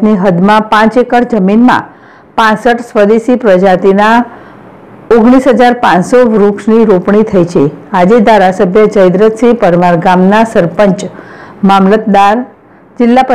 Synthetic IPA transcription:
niɦəd̪mãpãt͡ʃekəɽd͡ʒəminmã̰ | pãsəʈsʋəd̪esipɾəd͡ʒat̪ina | oɡɽ̃isɦəd͡ʒaɾpãsoʋɾukʂniɾopɳit̪ʰəjt͡ʃʰead͡ʒed̪ʱaɾasəbʱjəd͡ʒəjd̪ɾət̪sipəɾʋaɾɡamnasəɾpəɲt͡ʃmamlət̪̚d̪aɾ | d͡ʒɪlːapə

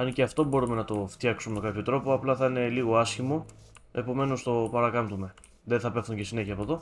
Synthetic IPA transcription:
ɐnceɐft̪o̞bo̞ɾume̞nɐt̪o̞ft̪jɐksumemkɐpço̞t̪ɾo̞po̞ɐplɐθɐine̞liɣo̞ɐsçimo̞ | e̞po̞me̞no̞st̪o̞pɐɾɐkɐmt̪ume̞ | ðenθɐpe̞fθuɲɟe̞sine̞çiɐːpoðo

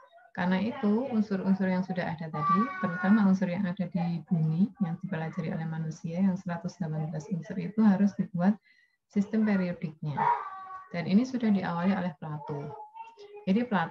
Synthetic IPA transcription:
karnait̪uunsʊɾunsʊrjaŋsudaɦa̰dat̪adit̪əɾut̪amaunsʊrjaŋadadib̥umijaŋd̥ibəlad͡ʒaɾio̰lɛhmanusiajaŋsəɾat̪ʊsd̥lapanbəlasunsʊrit̪uɦaɾʊsd̥ibuat̪̚ | sist̪ɛmpeɾiodɪk̚ɲad̥aninisudahdiʔa̰walio̰lɛhpəlat̪u | d͡ʒadipəlat

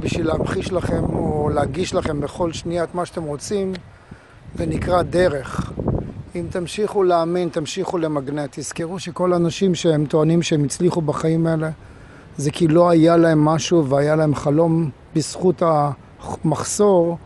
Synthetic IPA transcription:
biʃvileabχiʃlaχe̞mooleaɡiʃlaχe̞mbeχo̞lʃniaat̪maʃat̪emʁo̞t͡sim | venikʁad̪e̞ʁe̞χ | imt̪amʃiχuleamint̪amʃiχulemaɡnet̪ːiz̥keʁuʃe̞ko̞laːnaʃimʃeemt̪oanimʃeemit͡sliχubaχaimaele̞ | zekilo̞ajalae̞mːaʃuveajalaemχalo̞m | bisχuta | maχso̞ʁ

